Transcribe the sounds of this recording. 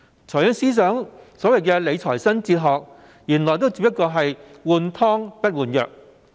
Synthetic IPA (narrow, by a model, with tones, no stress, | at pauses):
t͡sʰɔː˨˩jɐ˨˥ŋsiː˥s̬œː˨˥ŋsɔː˨˥wɐ˨jkɛː˧le˨˧jt͡sʰɔː˨˩jsɐ˥nt͡siː˧t̚ɦɔː˨k̚ | jiː˨˩nlɔː˨˩jt̪o˥wt͡si˧p̚jɐ˥t̚kːɔː˧ɦɐ˨jwuː˨˩nt̪ʰɔː˥ŋpɐ˥t̚wuː˨˩njœ̰ː˨k̚